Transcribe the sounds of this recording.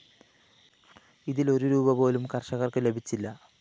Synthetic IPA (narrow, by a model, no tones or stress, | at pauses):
iðilo̞ɾuɾuːbɐpo̞ːlumkɐrɕɐɣɐrkɨle̞bʱit͡ɕːilːɐ